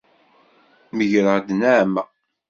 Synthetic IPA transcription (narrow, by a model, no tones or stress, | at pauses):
məʝɾəʁd̪næʕmæ